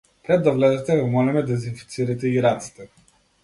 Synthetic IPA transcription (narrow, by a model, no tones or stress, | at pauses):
pɾɛd̪ːavlɛzɛt̪ɛvɛmɔlɛmɛd̪ɛzinfi̥t̪siɾit̪ɛiɾat̪si̥t̪ɛ